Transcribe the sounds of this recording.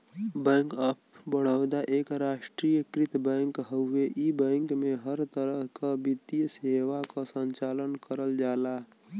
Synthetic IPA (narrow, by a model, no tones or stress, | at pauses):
bɛ̃ːŋkəpbəɽ̤əd̪aʔeːkɾaːʃʈɾijəkɾɪt̪bɛ̃ːŋkɦəʊeʔibɛ̃ːŋkmẽɦəɾt̪əɾəɦkabit̪ijseːʋakasə̃ɲt͡ʃaːlənkəɾəld͡ʒaːla